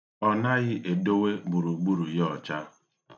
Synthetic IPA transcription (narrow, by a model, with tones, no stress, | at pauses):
ɔ˦na˦ɣɪ˦ʔe˨do˦we˦ɡ͡bu˨ɾu˨ɡ͡bu˦ɾu˨jɔ˨t͡ʃa˦